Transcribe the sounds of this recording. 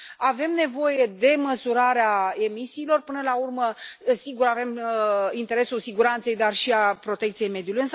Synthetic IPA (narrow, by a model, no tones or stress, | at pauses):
ave̞mne̞vo̞je̞d̪e̞məsuɾaɾeae̞misiːlo̞rpɨnəlaurməsiɡuɾave̞mint̪e̞ɾe̞sulsiɡuɾant̪se̞jd̪arʃiapɾo̞t̪e̞k̚t̪sije̞jme̞d̪julujɨns